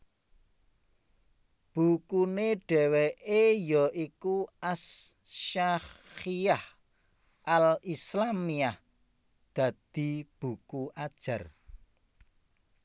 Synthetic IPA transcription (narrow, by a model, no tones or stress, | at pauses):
b̥ṳkuneɖ̥ɛ̤weʔejɔʔikuas | ʃaxiah | ʔalislamiah | d̪̥ä̤d̪̥i̤b̥ṳkuʔad̥ʒ̥a̤r